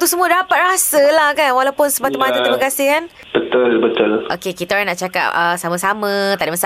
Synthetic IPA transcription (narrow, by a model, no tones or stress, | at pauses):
t̪usəmũədapat̪̚rasəlahkanwalawpʊnsəmat̪umat̪ət̪iməɡasɪhkan | b̥ət̪əlbət̪əlʔo̰kekit̪aɾanaʔt͡ʃaka̰p̚əsaməsamə̃t̪aʔdimasa